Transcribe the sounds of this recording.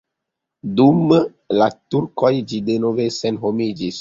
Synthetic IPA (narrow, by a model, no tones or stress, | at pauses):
dum | latuɾkojd͡ʒidenovesenɦomid͡ʒis